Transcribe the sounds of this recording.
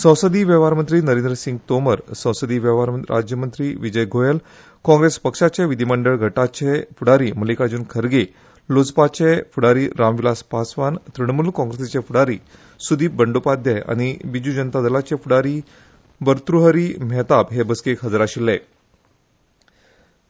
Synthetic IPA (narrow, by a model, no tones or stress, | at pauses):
sə̃w̃səd̪iːʋjəʋaɾmənt̪ɾiːnəɾẽnd̪ɾəsiŋɡt̪oməɾsə̃w̃səd̪iːʋəʋaɾɾa̰d͡ʑjəmənt̪ɾiːʋid͡ʑəjɡʱojel | kɔ̃ŋɡɾespəkʂat͡ɕeʋid̪ʱiməɳɖəɭɡʱəʈat͡ɕefuɽaɾiːməlikad͡ʑuːnkʰəɾɡe | lod͡zpat͡ɕefuɽaɾiːɾamʋilaspasʋant̪ɾəɳmulkɔ̃ŋɡɾeset͡ɕefuɽaɾiː | sud̪ʱiːbəɳɖopad̪jea̰ñibid͡ʑud͡ʑənt̪ad̪əlat͡ɕefuɽaɾiː | bəɾt̪ɾuɦəɾiːmɛt̪abɦebəskekɦəd͡zəɾaɕilːe